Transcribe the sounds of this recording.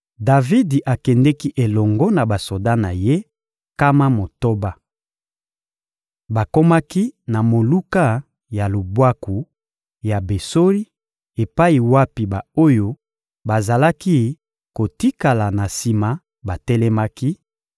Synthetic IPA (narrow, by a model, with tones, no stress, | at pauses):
da˨vi˦di˨ʔa˨kɛ˨ndɛ˦ki˦ʔe˨lɔ˨ŋɡɔ˦na˨ba˨so˨da˦na˨je˦ | ka˦ma˦mo˨to˦ba˦ | ba˨ko˦ma˦ki˦na˨mo˨lu˦ka˦ | ja˨lo˨bwa˦ku˨ | ja˨be˨so˦li˦ | e˨pa˦i˨wa˦pi˨ba˨o˦jo˦ | ba˨za˨la˦ki˦ | ko˨ti˦ka˨la˨na˨si˨ma˦ | ba˨tɛ˦lɛ˦ma˦ki˦